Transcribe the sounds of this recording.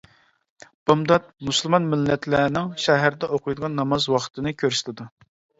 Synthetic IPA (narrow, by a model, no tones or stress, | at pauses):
b̥ɑmd̪ɑt̪̚muslˠmɑnmɪlːɛt̪ʰlɛnɪŋʃɛɦæɾd̪ɛoqʰʊjd̪əʁɑnːɑmɑzwɑχt̪ʰɨnɨkʲʰøɾst̪ʰɨd̪u